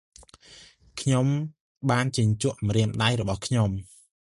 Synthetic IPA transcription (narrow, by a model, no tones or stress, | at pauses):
kʰɲom | ɓaːnt͡ɕɨəɲt͡ɕŭəʔmriəmɗajrɔɓɑhkʰɲom